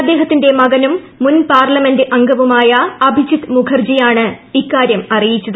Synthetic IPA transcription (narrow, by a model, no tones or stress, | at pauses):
ɐd̪ːe̞ːɦɐt̪ːinde̞mɐɡɐnumː | unpaːrlɐme̞ndɨʔɐŋɡɐʋumaːjɐɐbʱid͡ʑit̪mukʰɐrd͡ʑijaːɳɨikːaːɾjɐmɐrijit͡ɕːɐðɨ